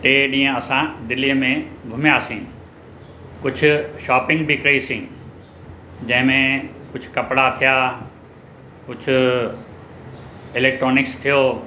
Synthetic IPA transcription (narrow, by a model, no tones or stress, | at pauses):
ʈeːɗĩːə̃ɐsãd̪ɪliːəmẽɡʱʊmjaːsĩːn | kʊd͡ʑʱʊ̆ʃaːpɪ̃ŋɡbikɐisĩː | d͡ʑɐ̃ɦɪ̃mẽkʊd͡ʑʱʊkɐpɽat̪ʰijaː | kʊd͡ʑʱʊ̆ | ɪlɛːk̚ʈɾoːnɪkst̪ʰijoː